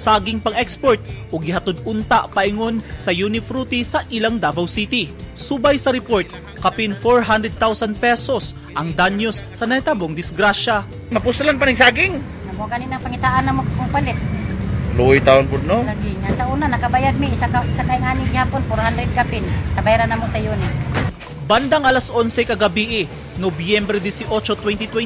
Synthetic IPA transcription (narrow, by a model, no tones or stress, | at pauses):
saːɡɪŋpɐŋɛkspoɹt̪̚ʔoɡɪhɐt̪od̪̚ʊnt̪aʔpɐʔɪŋo̞nsɐjunɪfɾut̪isɐʔɪlaŋd̪abɐwsit̪ɪsubajsɐɾɛpoɹt̪̚ | kɐpɪnfoɹɦand̪ɾɛd̪̚t̪awsɐn̚pɛsos | ʔɐŋd̪anjosːɐnɐt̪aboŋd̪ɪsɡɾaʃa | mɐpʊslanpanɪŋsaɡɪŋ | nɐmoɡanɪnɐŋpɐŋɪt̪aʔanɐmokkʊpɐlɪt̪̚loʔojt̪aonpʊd̪̚nolɐɡiɲansɐʔuːnanɐkɐbajad̪̚mɪɪsakaʔɪsaŋkɐɪŋaːnɪŋhaːponfoɾhand̪ɾɛd̪̚kapɪnt̪ɐbajɾanɐmosɐjonɪ | bɐnd̪aŋʔɐlasʔonsɛjkɐɡɐbiʔɪ | nobjɛmbɾɛd̪isɪʔo̞t͡ʃot̪wɛnt̪it̪wɛ